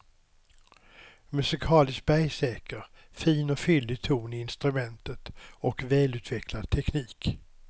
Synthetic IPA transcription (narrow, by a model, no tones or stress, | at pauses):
mɵsɪkʰɑːlɪsk̚bæjsɛːkəɾ | fiːnɔfʏld̪ɪt̪ʰuːnɪɪnst̪ɾɵmɛnt̪ət̪ɔkvɛːlʉ̟t̪ʰvɛkʰlad̪̚t̪ʰɛkniːk